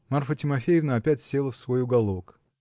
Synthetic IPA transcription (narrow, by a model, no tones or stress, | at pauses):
marfətʲɪmɐfʲejɪvnəɐpʲætʲsʲe̞lˠəfsvo̞jʊɡɐlˠo̞k